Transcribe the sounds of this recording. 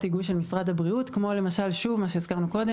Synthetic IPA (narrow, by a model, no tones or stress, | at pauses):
tiɡujʃe̞lmisʁad̪habʁiutkmo̞le̞maʃalʃuvmaʃe̞izkaʁnuko̞de